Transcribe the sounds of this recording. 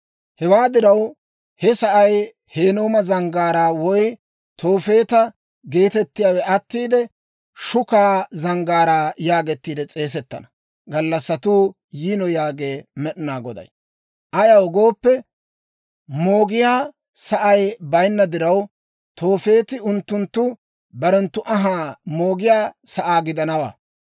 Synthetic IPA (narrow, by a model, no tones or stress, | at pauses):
hɛwaːd̪ɪɾɐw | hɛsɐʔɐj | he̞ːnoːmɐzɐŋɡaːɾaːwɔj | t̪ʰo̞ːfe̞ːt̪ɐ | ɡe̞ːt̪ɛt̪ːɪjaːwɛɐt̪ːiːd̪ɛ | ʃʊkaːzɐŋɡaːɾaːjaːɡɛt̪ːiːd̪ɛt͡sʼe̞ːs̬ɛt̪ːɐ̰nɐ | ɡɐlːɐsːɐt̪uː | jiːnɔjaːɡeːmɛɗɪnaːɡɔd̪ɐ̰j | ʔɐjɐwɔɡo̞ːpːɛ | mo̞ːɡɪjaː | sɐʔɐjbɐjnːɐd̪ɪɾɐw | t̪o̞ːfe̞ːt̪ɪʊnt̪ːʊnt̪ːʊ | bɐɾɛnt̪ːʊʔɐɦaːmo̞ːɡɪjaːsɐʔaːɡɪd̪ɐnɐwa̰ː